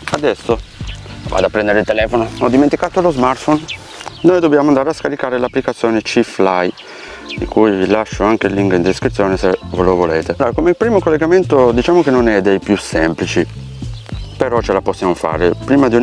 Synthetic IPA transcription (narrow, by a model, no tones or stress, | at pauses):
ad̪ɛsːo | va̰d̪apːɾɛnd̪eɾeilt̪elɛːfonoɔd̪ːiment̪ikaːt̪olozmart̪fon | noːjd̪objaːmoand̪aːɾeaskaɾikaːɾelapːlikat̪sːjɔːnet͡ʃiflaj | d̪ikujvilaʃːoaŋkeilːiŋkind̪eskɾit̪sːjɔːnesevolovolɛːt̪eloːɾakomeilpɾiːmokolːeɡament̪od̪it͡ʃaːmokenːonɛd̪ejpjusːɛmplit͡ʃi | peɾɔt͡ʃelaposːjamofa̰ːɾepɾiːmad̪iu